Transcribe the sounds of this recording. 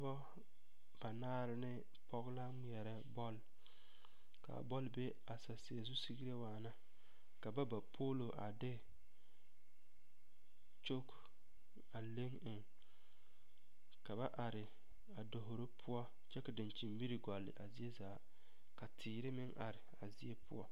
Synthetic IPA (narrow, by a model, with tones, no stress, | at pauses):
bɔ˦ | b̥a˨naː˦ɾɪ˦nɪ˦ | pɔ˦ɣla˦mi˨ɛ˨ɾɛ˦bɔ˦l | ka̰˨bɔ˦lbe˦ | a˨sa˨si˨a˨zu˦si˦ɡi˦ɾe˦waː˨na˦ | ka˨ba˦ba˨pʰoː˦lo˨ʔa˨dɪ˦ | t͡ʃo˦k | a˨le˦ŋɪ˨ŋ | ka˨ba˦ʔa˨ɾɪ˨ | a˨do˨ɦo˨ɾo˦pʰʊ˦ɔ˦ | t͡ʃɛ˦ka˨dɪ˨nt͡ʃi˨mbi˦ɾi˨ɡɔ˨lːɪ̰˨ʔa̰˨zi˦e˦zaː˨ | ka˨tʰiː˨ɾɪ˦mɪ˦ŋʔa˨ɾɪ˨a˨zi˦e˦pʊ̰˦ɔ˦